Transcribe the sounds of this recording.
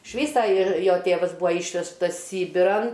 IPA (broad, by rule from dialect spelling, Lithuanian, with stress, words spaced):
ɪʃ ˈʋʲiːsɐ ˈɪr ˈjoː ˈtʲeːʋɐs ˈbuːɐ ˈiːʃʲʋʲɛʃtɐs ˈsʲiːbʲɪrɐn